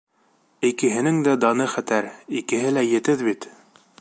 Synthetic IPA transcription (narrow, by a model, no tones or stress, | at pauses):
ikɘ̆ɦɘ̆nɘŋd̪æd̪ɑnɤχæt̪æɾikɘ̆ɦɘlæjɘ̆t̪ɘðbit̪